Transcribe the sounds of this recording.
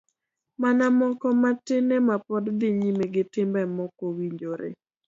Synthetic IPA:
manamɔkɔmatɪnɛmapɔdd̪ɪɲimeɡɪtɪmbɛmɔkowiɲd͡ʒoɾḛ

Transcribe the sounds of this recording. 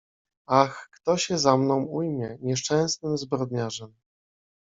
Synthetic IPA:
axkt̪ɔɕɛzamnɔ̃w̃ujmʲjɛɲɛʂt͡ʂɛ̃w̃snɘmzbɾɔd̪ɲaʐɛm

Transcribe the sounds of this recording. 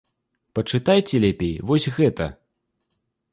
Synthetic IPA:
pɐt͡ʂɨt̪ajt͡sʲɛlʲapʲejvɔsʲɣɛt̪ɐ

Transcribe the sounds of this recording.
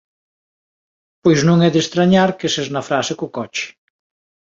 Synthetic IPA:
pojznũŋɛðest̪ɾaɲaɾkesɛznɐfɾasɪkʊkɔt͡ʃɪ̥

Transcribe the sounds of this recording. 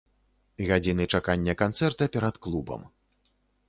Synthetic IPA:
ɣad͡zʲinɨt͡ʂakanʲːɐkant̪sɛrt̪ɐpʲɛɾɐt̪klˠubɐ̰m

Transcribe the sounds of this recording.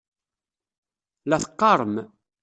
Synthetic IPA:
læθə̥qːɑɾˤəm

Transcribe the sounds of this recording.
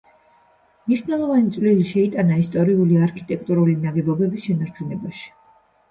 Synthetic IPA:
mniʃvnɛlˠɔvanit̪sʼvliliʃɛit̪ʼanaist̪ʼɔɾiuliaɾkʰit̪ʼɛk̚ʼt̪ʼuɾulinaɡɛbɔbɛbisʃɛnaɾt͡ʃʰunɛbaʃi̥

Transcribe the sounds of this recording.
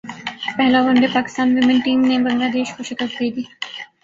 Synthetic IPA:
pɛɦlaʋɐ̃nɖ̪epaːkɪ̥st̪aːnʋɪmɪ̃nʈiːmnebɐŋɡlaːd̪eːʃkoʃɪkət̪̚d̪eːd̪iː

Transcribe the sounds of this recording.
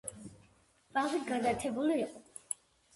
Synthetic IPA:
bʼazit̪ɡad̪at̪ʰɛbuliːqʼɔ

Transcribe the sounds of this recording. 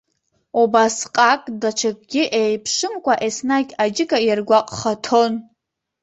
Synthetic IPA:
ubasqʼakʼdat͡ʃʰakʼɡʲɪʔejpʰʂɨmkʷʼaʔesnakʲʼad͡ʒɪkʼajarɡʷaqʼχatʰo̞n

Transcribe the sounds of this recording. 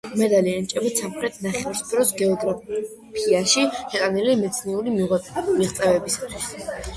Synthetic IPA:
mɛd̪aliant͡ʃʼɛbit̪samχɾɛt̪ʰnaχɛvaɾspʰɛɾɔsɡɛɔɡɾa | pʰiaʃihɛt̪ʼanilimɛt̪sʰniuɾimiʁɛmiʁt̪sʼɛvɛbisat̪ʰwi̥s

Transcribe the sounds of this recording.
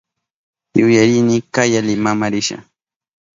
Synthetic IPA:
jʊjaɾɪnɪkajalɪmamaɾɪʃa̰

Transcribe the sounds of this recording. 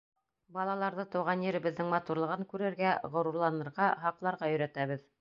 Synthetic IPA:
bɑlˠɑlˠɑɾðɤt̪ɤ̆wʁɑnjɘ̆ɾɘ̆bɘ̆ðːɘŋmɑt̪uɾlˠɤ̆ʁɤŋkʉɾɘ̆ɾɡæʁŏɾuɾlˠɑnɤ̆ɾʁɑɦɑqlˠɑɾʁɑjɵ̆ɾæt̪æβɘð

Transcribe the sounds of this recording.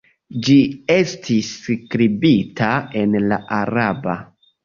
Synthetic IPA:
d͡ʒie̞stʰiskɾibitʰae̞nla̰ʔaɾaba

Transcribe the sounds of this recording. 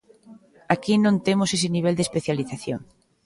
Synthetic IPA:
akinõnt̪emʊses̬ɪniβ̞ɛld̪espeθjaliθaθjoŋ

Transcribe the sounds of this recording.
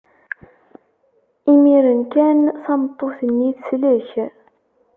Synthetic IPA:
imiɾənkænsɑmət̪ˤːoθəniθsləç

